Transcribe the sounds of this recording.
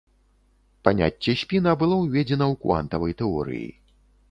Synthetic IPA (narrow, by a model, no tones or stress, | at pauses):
panʲa̰t͡sʲːɛsʲpʲinɐbɨlˠɔwvʲɛd͡zʲɛnɐwkva̰nt̪ɐvɐjt̪ɛɔ̰ɾɨ̰jḭ